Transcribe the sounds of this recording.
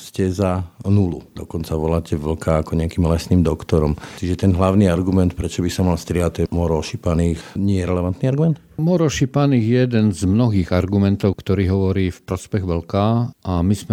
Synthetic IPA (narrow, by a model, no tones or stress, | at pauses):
scɛzanulud̪ɔkɔnt͡saʋɔlaːcʰɛʋl̩kaakɔɲɛakiːmlɛsniːmd̪ɔkt̪ɔɾɔmt͡ʃiʒɛt̪ɛnɦlaʊniaɾɡumɛnt̪pɾɛt͡ʃɔbisamalst̪ɾɪaat̪ːɔɛmɔɾɔʃipaniːxɲɪɛjɛɾɛlɛʋant̪niaɾɡumɛnt̪mɔɾɔʃipaniːɣjjɛjɛd̪ɛnzmnɔɦiːɣaɾɡumɛnt̪ɔʊkt̪ɔɾiːɦɔʋɔɾiːfpɾɔspɛɣʋl̩kaʔamizmɛ